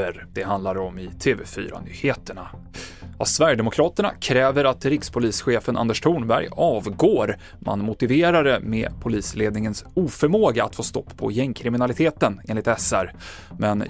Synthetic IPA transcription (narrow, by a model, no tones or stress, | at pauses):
əɾd̪̥ɛɦand̪laɾɔmɪt̪ʰeːvefy̰ːɾa̰nyːheːt̪əɳa | a̰svæɾjəɖ̪ɛmʊkʰɾɑːt̪əɳa̰kʰɾɛːvəɾat̪ɾɪkspʰʊliːsɧeːfənʔa̰nd̪əʂt̪ʰuːɳbæɾjɑːvɡoːɾ | mʔa̰nmʊt̪ɪveːɾaɾəmḛpʰʊliːsleːd̪nɪŋənsuːfœɾmoːɡaa̰t̪foːst̪ɔpːpʰɔ̰jɛŋkʰɾɪmɪnalɪt̪ʰeːt̪əneːnlɪt̪ɛsæɾmɛn